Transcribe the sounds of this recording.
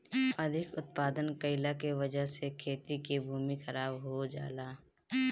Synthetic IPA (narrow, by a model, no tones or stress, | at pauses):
ɐd̪ʱɪkʊt̪̚paːd̪ənkəɪlakeʋəd͡ʒəɦsekʰeːt̪ikibʱuːmixɐɾaːbɦod͡ʒa̰ːlaː